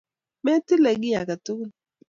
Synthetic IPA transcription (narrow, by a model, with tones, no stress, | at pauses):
mɛ˦tɪ˦lɛ˨ɡɪ˦ja˨ka˨tʊ˦kʊ˦